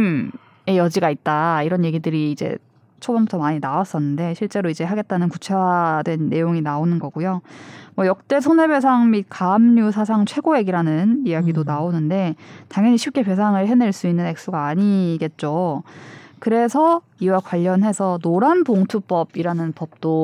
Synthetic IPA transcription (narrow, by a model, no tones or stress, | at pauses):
m | e̞jʌd͡ʑiɡait̚t͈aiɾʌnje̞ɡidɯɾiːd͡ʑe̞̰ | t͡ɕʰobʌmbutʰʌmaɲinawas͈ʌnːɯnde̞ɕʰiɭt͡ɕ͈e̞ɾoid͡ʑe̞ɦaɡe̞t̚t͈anɯnkut͡ɕʰadwe̞nːe̞joŋinaonɯnɡʌɡujomwʌjʌk̚t͈e̞s̬ʰone̞be̞sʰaŋmit̚kaːmɲusʰas̬ʰaŋt͡ɕʰwe̞ɡoe̞ɡiɾanɯnijaɡidonaonɯnde̞taŋjʌɲiɕʰip̚k͈e̞pe̞s̬ʰaŋɯɭɦeneɭs͈uinːɯne̞k̚s͈uɡaːɲiɡe̞t̚t͡ɕ͈o | kɯɾe̞sʰʌ | iwakwaʎːʌnɦe̞sʰʌnoɾanpoŋtʰup͈ʌbiɾanɯnpʌp̚t͈o